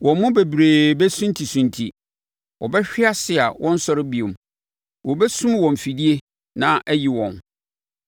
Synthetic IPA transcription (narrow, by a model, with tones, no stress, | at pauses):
wɔ̃˨m˦mʊ̃˦be˨bɾeː˨bɛ˦sũ˦n˦tʰi˨sũ˨ntʰi˨ | wʔɔ̰˨bɛ˦ɕᶣɪ˦a˦sɪ˨a˨wʔɔ̃˦n̩˦sɔ˦ɾɪ˦bi˨õ˨m˨ | wɔ˨bɛ˦sũ˦mwɔ̃˨m̩˨fi˨di˦e˦ | nã˦ʔæ˦ji˨wɔ̰̃˨n